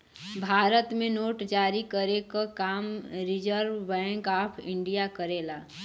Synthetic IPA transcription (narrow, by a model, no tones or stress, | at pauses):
bʱaːɾət̪mẽnoːʈd͡ʒaːɾikəɾekakaːmɾɪd͡ʒəɾʋːɛ̃ːŋkaːpʰɪ̰̃ɳɖijakəɾeːlaː